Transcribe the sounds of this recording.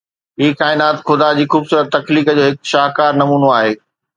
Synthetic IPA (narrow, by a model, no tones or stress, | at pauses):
ɦiːkaːɪnaːt̪xʊd̪ad͡ʑiːxuːbsuːɾət̪ːɐkliːkəd͡ʑoːɦɪkʃaːɦkaːɾnɐmuːnoaːɦeː